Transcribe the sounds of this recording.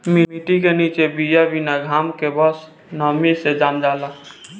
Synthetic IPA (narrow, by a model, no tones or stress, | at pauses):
mimiʈikenit͡ʃebijabʱinaɡʱamkebəs | nəmised͡ʒamd͡ʒala